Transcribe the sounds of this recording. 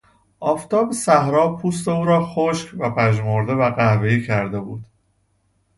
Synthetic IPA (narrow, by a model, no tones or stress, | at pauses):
ʔɒːft̪ʰɒːbesæhɾɒːpʰuːs̬t̪e̞uːɾɒːxoʃcvæpʰæʒmoɾd̪e̞væɣæhveiːcʰæɾd̪e̞buːd̪̥